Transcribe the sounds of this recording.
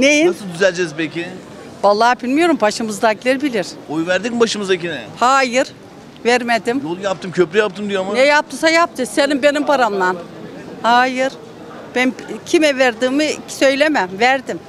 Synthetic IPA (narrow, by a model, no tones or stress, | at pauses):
nejid̪yzælʲd͡ʒɛzpekɪ | valˠːaːbilʲmijo̞ɾumpʰaʃɯmɯzd̪aɡlʲiɾbilʲiɾ̥ojuvæɾd̪ibaʃɯmɯzakinɛhaːjɯɾ | væɾmed̪imjolˠjap̚t̪ɯmcʰøplʲyjap̚t̪ʰɯmd̪ijomanɛjap̚t̪ʰɯsajap̚t̪ʰɯsenimbe̞nimpaɾamnanhaːjɯɾ̥ | b̥æncʰimɛvæɾd̪iːmɯ̥sø̞jlʲemæmvæɾd̪im